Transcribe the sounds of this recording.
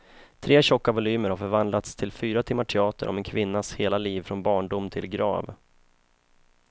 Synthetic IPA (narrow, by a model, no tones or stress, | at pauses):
t̪ʰɾeːɕɔkːavʊlyːməɾhaɾfœɾvand̪lat̪st̪ʰɪlfyːɾat̪ʰɪmːaʈʰɛɑːt̪ə̰ɾʔɔ̰mɛnkʰvɪnːasheːlaliːvfɾɔnbɑːɳɖʊmt̪ʰɪ̰lɡɾɑ̰ːv